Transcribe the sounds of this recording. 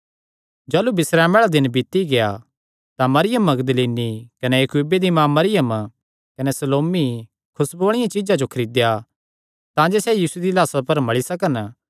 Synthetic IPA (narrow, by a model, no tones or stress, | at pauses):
d͡ʒɐːlubɪsɾɛːmɛːɭad̪ɪnbɪt̪iɡeja̰ | t̪ãmɐɾɪjəmɐɡd̪əliːnikɐnɛjɐkuːbed̪imãːmːɐɾɪjəm | kɐnɛsɐloːmi | kʰʊsboːɽ̃ɪjãt͡ʃɪd͡ʒad͡ʒokʰɐɾiːd̪ja | t̪ãːd͡ʒesɛjiːsued̪ilaːsapɐɾmɐɭisɐkən